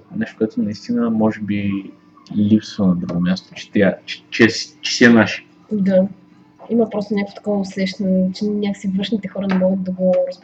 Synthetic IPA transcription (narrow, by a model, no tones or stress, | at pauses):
nɛʃt̪o̥koɛt̪onɐist̪inəmɔʒɛbi | lipsvənɐd̪ɾuɡomʲast̪o̥t͡ʃɛ̥t̪ɛɛt͡ʃɛ̥t͡ʃɛst͡ʃɛ̥siɛnaʃi̥ | d̪a | imɐpɾɔst̪onʲakvo̥t̪ɐ̥kɔvɐːslɛʃnt͡ʃɛnnʲakə̥ksivɤʃnit̪ɛxɔɾɐnɛmɔɡət̪̚d̪ɐɡoɾɐzb